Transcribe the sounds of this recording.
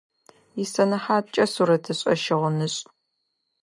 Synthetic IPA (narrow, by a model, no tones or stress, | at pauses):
jɪsɐnɐħaːt͡ʃʼɐsuɾɐtʰɨɕʼɐ̰ʃɪʁənɨɕʼ